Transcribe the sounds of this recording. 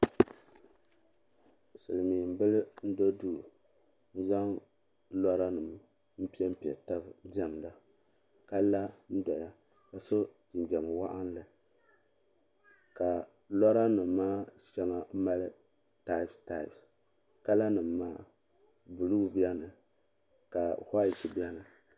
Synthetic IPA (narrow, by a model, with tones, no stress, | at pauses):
sɨ˨lɨ˨miː˨m̩˨bɨ˦lɨ˦n̩˦do˦du˦˨ | n̩˦za˦ŋ | lɔ˦ɾa˦nɨ˨m | m̩˦pi˦ɛ˦m̩˦pi˨ɛ̰˨ta˦bd͡ʒa˨m˨la˨ | ka˦la˦n̩˦dɔ˨ja˦ | ka˨so˦d͡ʒi˨nd͡ʒɛ˨m˨wa˦ʔa˦n˦lɨ˨ | ka˨ | lɔ˦ɾa˦nɨ˨mː˦aː˦ʃɛ˦ŋa˨m̩˦ma˦lɨ˦ | ta˦˨sta˨f | ka˦la˦nɨ˨mːaː˦˨ | bu˨lu˦bi˦ɛ˦nɨ˨ | ka˨ha˦i˨t͡ʃi˨bɛ˦nɨ˨